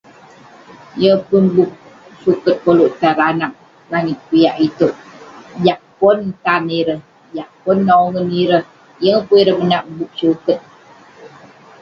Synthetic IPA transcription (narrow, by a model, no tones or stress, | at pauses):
jəpunbuk̚ | sukət̪̚koloʔt̪aɾanak̚ | ɾanikujaʔit̪oʔjaʔ̚pɔnt̪aniɾəh | jaʔ̚pʊnːaoŋəniɾəh | jəŋpuiɾəmənaʔbuk̚sukət̪̚